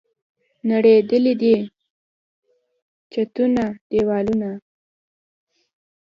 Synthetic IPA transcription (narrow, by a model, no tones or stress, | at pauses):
naɽed̪əlid̪i | t͡ʃat̪unad̪̥ewɑluna